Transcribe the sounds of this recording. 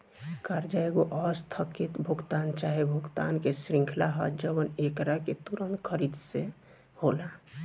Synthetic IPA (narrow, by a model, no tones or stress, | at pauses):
kaɾd͡ʒaeɡoʔəst̪ʰəkit̪bʱuɡt̪ant͡ʃaɦebʱukt̪a̰nkesɾĩŋkʰlaɦə̰d͡ʒəbənekɾaket̪uɾənkʰəɾid̪se | hola